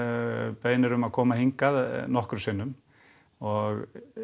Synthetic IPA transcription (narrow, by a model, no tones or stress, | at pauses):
peːjnɪɾʏmaðkʰɔːmaɦiŋkaðnɔhkɾʏsɪnːʏm | ɔɣ